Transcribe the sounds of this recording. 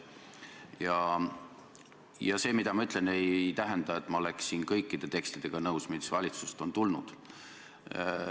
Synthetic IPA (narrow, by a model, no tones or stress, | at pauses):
jɑ | jɑse̞ːmid̪ɑmɑyt̪ˑle̞ne̞jt̪æɦe̞nd̪̥ɑe̞t̪ːˑmɑo̞le̞ksiːnkɤjkːid̪̥e̞t̪e̞kst̪id̪̥e̞ɡ̥ɑnɤwsmisvɑlʲit̪sust̪o̞nt̪ulnud̪̥